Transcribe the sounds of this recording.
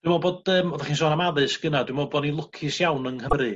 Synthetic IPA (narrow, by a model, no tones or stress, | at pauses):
dwimɔbɔdəːmɔvaχinsoːnamaðɨsɡ̥ənad̥wimɔbɔdninlˠʊkʰɪsjawnəŋhəmɾɨ